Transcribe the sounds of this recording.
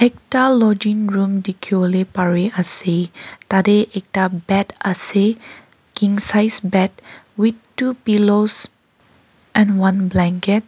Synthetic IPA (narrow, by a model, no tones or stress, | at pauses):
ɛk̚talɔd͡ʒĩŋɹũmdikʰjolepaɹiʔasetadeʔɛk̚tabɛtase | kĩŋsajsbɛt̚wittupilos | ʔɛ̃nwãnblɛ̃ŋkɛt̚